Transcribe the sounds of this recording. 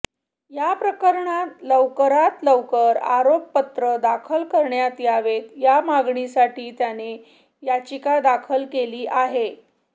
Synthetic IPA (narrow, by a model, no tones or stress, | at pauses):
japɾəkəɾɳat̪ləʋkəɾat̪ləwkəɾa̰ɾopːət̪ɾəd̪akʰəlkəɾɳjat̪jaʋet̪jamaɡɳisaʈiːt̪jane | jat͡ɕikad̪akʰəlkeliːʔaɦe